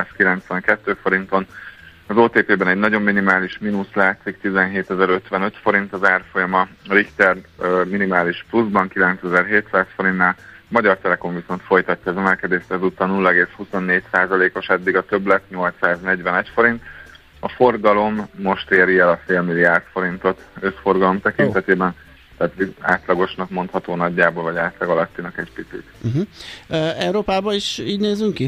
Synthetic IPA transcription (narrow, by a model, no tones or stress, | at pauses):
skilɛnt̪sʋɛŋkɛt̪ːøːfo̞ɾint̪o̞n | ɒzoːt̪eːpeːbɛnɛɟnɒɟo̞mːinimaːliʃminuslaːt̪sikt̪izɛnɦeːt̪ɛzɛɾø̞t̪ʋɛnø̞t̪fo̞ɾint̪ɒzaːrfo̞jɒmɒɾikt̪ɛrminimaːliʃpluzbɒŋkilɛnt̪sɛzɛrɦeːt̪saːsfo̞ɾinːaːl | mɒɟɒrt̪ɛlɛko̞ɱviso̞nt̪fo̞jt̪ɒcːɒɛzɛmɛlkɛd̪eːʃt̪ɛzut̪ːɒnulːɛɡeːshuso̞nːeːcsaːzɒleːko̞ʃɛd̪ːiɡɒt̪ø̞blɛt̪ɲo̞lt̪saːznɛɟʋɛnɛcfo̞ɾint̪ | ɒfo̞rɡɒlo̞mːo̞ʃt̪eːɾiɛlɒfeːlmiliaːrt̪fo̞ɾint̪o̞t̪ø̞sfo̞rɡɒlo̞mt̪ɛkint̪ɛt̪eːbɛn | t̪aːt̪ia̰ːt̪lɒɡo̞ʃnɒkmo̞nt̪hɒt̪oːnɒɟːaːboːlvɒɟaːt̪lɒɡɒlɒt̪ːinɒkɛɟpit̪sḭt̪̩ɦ̩ | ɛwɾoːpaːbɒiʃiːɟneːzyŋki